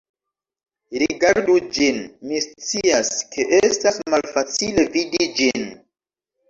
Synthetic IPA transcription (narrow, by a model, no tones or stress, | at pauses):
ɾiɡaɾdud͡ʒinmist͡siaskʰe̞ʔe̞stasmalfat͡sile̞vidid͡ʒin